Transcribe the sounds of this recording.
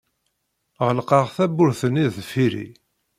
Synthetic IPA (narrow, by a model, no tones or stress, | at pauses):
ʁəlqɑʁθæbʊɾθənːiðfiɾḭ